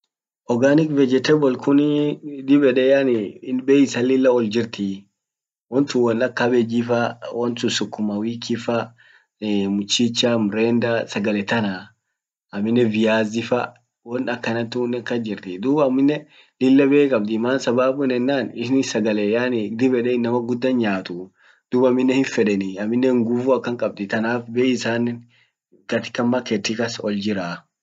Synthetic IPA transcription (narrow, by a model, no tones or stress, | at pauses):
ʔɔɡaːnɪkvɛd͡ʒɛt̪ɛbɔlkʰʊnd̪ɪbɛᶑɛjaːnɪɪnbeːɪsɐlɪlːɐɔld͡ʒɪɾt̪i | wɔnt̪uwɐnɐkːɐbɛd͡ʒifɐwɔnt̪ʊsʊkːʊmɐwiːkʰːifɐ | mʊt͡ʃːit͡ʃːamɾend̪ɐsɐɡɐlɛt̪ɐna | ʔɐmːɪnːɛvɪjaːzɪfɐ | wɔnɐkːɐnɐt̪uːnːɛkːɐd͡ʒɪɾt̪ɪd̪uːbɐmːɪnːɛ | lɪlːɐbeːkʼɐb̚d̪ɪmaːnsɐbaːbʊnɛnːaːnɪʃnɪsɐɡɐlɛjaːnɡ̚d̪ɪbɛᶑɛɪnːɐmɐɡʊd̪ːɐnɲaːt̪ʊ | d̪̥ʊːbɐmːɪnːɛhɪnfɛᶑɛnɪɐmːɪnːɛhɪŋɡʊfuɐkːɐŋkʼɐb̚d̪ɪt̪ɐnaːfbeːɪsaːnːɪ | kɐt̪ɪ̥kːɐmːakɛt̪ːikɐsɔld͡ʒɪɾaː